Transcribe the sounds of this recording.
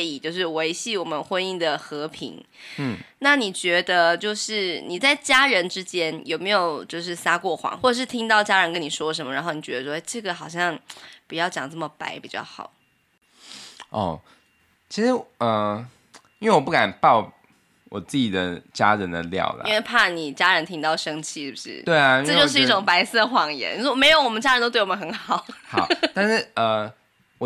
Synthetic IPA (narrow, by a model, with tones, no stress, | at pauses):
i˨˩t͡ɕjo˥˧ʊʂ̬ɻ̩˥˩we˧˥ɪɕi˥˩wɔ˨˩mə˦nxwə˥ni˥˩ŋd̪ə˩xɤ˧˥pʰḭ˧˥ŋ̩˥˩ | na˥˩ni˨˩t͡ɕɥɛ˧˥d̪ə˧t͡ɕjo˥˧ʊʂɻ̩˥˩ni˨˩t͡sa˥˩ɪt͡ɕja˥ɻə˧˦˥nʈ͡ʂɻ̩˥t͡ɕjɛ˥njo˨˩me˧˥ɪjo˨˩ʊt͡ɕjo˥˧ʊʂ̬ɻ̩˥˩sa˥kwɔ˥˩xwɑ̰˧˥ŋxwɔ˥˩ə˩ʂ̬ɻ̩˥˩t̪ʰi˥ŋt̪ɑ˥˩ʊt͡ɕja˥ɻə˧˥nkə˥ni˨˩ʂwɔ˥˨ʂ̬ə˧˥nmə˧˩ɻa˧˥nxo˥˩ni˨˩t͡ɕɥɛ˧˥d̪ə˧ʂwɔ˥e˥ɪʈ͡ʂɤ˥˩ɡə˨xɑ˨˩ʊɕ̬jɑ˥˩ŋpu˨˩jɑ˥˩ʊt͡ɕjɑ˨˩ŋt͡sɤ˥˩mə˩pa˧˥ɪpi˨˩t͡ɕjɑ˥˩ʊxɑ̰˨˩˦ʊ | ɔ̰˥˩ | t͡ɕʰi˧˥ʂɻ̩˧˥ə˨˩ | i˥ŋwe˥˩wɔ˨˩pu˥˩ka˨˩npɑ˥˩ʊ | wʔɔ˨˩t͡s̩˥˩t͡ɕi˨˩d̪ə˩t͡ɕja̰˦ɻə˧˦nd̪ə˨ljɑ̰˨˩ʊlə̰˩˥we˥˧ɪpʰa˥˩ni˨˩t͡ɕja˥ɻə˧˥nt̪ʰi˥ŋt̪ɑ˥˩ʊʂɤ˥ŋt͡ɕʰi˥˧ʂ̩˥˩bu˨˩ʂɻ̩̰˥˩t̪we˥˩ɪa˩i˥ʈ͡ʂə˥˧˥jo˥˧ʂ̬ɻ̩˥i˥˧˥ʈ͡ʂʊ˨˩ŋpa˧˥ɪsə˥˩xwɑ˨˩ŋjɛ̰˧˥ni˨˩ɔ˥˨me˧˥ɪjo˧˥ʊwɔ˨˩mə˦t͡ɕa˥ɻnt̪o˥t̪̬w̬wm˧˦˥xə˧˥nxɑ˨˩˦ʊxɑ˨˦t̪a˥˧nʂɻ̩˥˩ə˩ | wɔ˨˩